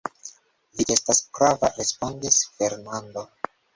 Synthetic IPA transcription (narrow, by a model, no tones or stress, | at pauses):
viʔe̞stasɡ̥ɾava̰ɾe̞spo̞ndisfe̞ɾnando̞